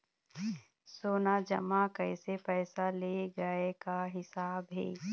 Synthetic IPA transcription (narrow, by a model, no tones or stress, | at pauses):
soːnad͡ʒɐ̰makɐɪsepɛːsaleɡɐekaɦɪsaːbɦɛ̰ː